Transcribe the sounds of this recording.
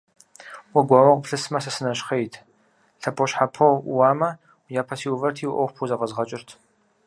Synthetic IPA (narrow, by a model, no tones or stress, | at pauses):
wɔɡʷaːwɐʁʷʊpɬɨsmɐsɐsɨnɐɕχejtʰ | ɬʰɐpʰʼoɕħapʰɐwwaːmɐ | jaːpʰɐsiːwvɐrtʰiːwʔɐwpʰuzɐʁɐzʁɐt͡ʃʼɪrtʰ